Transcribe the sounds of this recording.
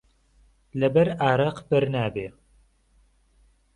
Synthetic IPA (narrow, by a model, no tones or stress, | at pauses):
lɛbɛɾaːɾɐqbɨɾnaːbeː